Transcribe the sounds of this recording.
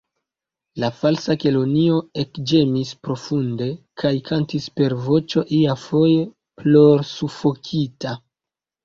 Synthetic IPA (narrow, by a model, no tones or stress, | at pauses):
lafalsake̞lo̞nio̞e̞kd͡ʒe̞mispɾo̞funde̞kʰajkʰantispe̞ɾvo̞t͡ʃo̞ʔiafo̞je | plo̞ɾsufo̞kʰita